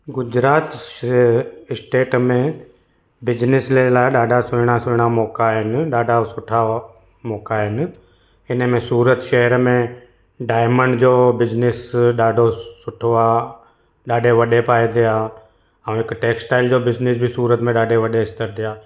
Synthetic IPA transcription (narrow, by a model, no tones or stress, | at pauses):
ɡʊd͡ʑɾaːt̪ | ɪsʈeːʈmẽ | bɪd͡ʑnɪslelaːɪɗaːɖʱasʊɾɪɽ̃asʊɾɪɽ̃amɔːkaɦɪnɪ̆ɗaːɖʱasʊʈʰa | mɔːkaɦɪnɪ̆ | ɪnəmẽsuːɾət̪ʃɐɦəɾmẽ | ɖaːɪməɳɖd͡ʑoːbɪd͡ʑnɪsɗaːɖʱosʊʈʰoaː | ɗaːɖʱeʋɐɗepaːed̪ɪjaː | ɛ̃ũɪkʈeːksʈaːɪld͡ʑoːbɪd͡ʑnɪs̬bʱisuːɾət̪mẽɗaːɖʱeʋɐɗeɪst̪əɾd̪ɪjaː